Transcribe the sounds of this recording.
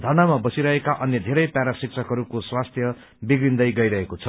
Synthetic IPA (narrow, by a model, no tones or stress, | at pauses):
d̪ʱʌnamabʌsiɾʌɦekaʔʌnjʌd̪ʱeɾʌjpjaɾasik̚t͡sʰʌkɦʌɾukoswast̪ʰjʌ | biɡɾind̪ʌjɡʌjɾʌɦekot͡sʰʌ̥